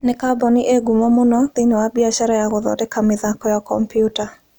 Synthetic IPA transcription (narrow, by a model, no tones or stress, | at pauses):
nɪkabɔnɪʔeɡumɔmʊnɔðɪɲɔwabiaʃaɾajaɣʊðɔ̰dɛkamɪðakɔjakɔ̰mpjuta